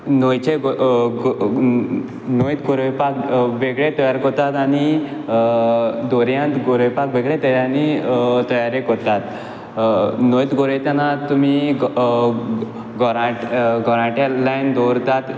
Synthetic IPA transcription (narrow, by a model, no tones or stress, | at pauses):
nojt͡ɕe | nojt̪ɡoɾʋepakʋeɡɭet̪ɔjaɾkɔt̪at̪añi | d̪ɔɾjãt̪ɡoɾepakʋeɡɭet̪əjanit̪əjaɾekɔt̪at̪ | nojt̪ɡoɾet̪janat̪um̤i | ɡɔɾãʈɡɔɾãʈelajnd̪ɔɾt̪at̪